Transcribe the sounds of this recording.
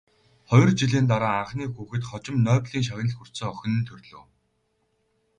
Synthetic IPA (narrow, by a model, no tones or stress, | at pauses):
χɔj̆rt͡ɕiɮiːnt̪aɾaːaɴχniːxuːxɘ̆t̪χɔt͡ɕɪ̆mnœːpɮiːŋʃ̬awʲɪ̆nəɮxur̥t͡sə̆ːŋœx̆ʲnɘ̆nt̪ʰɵrʲɮo̰ː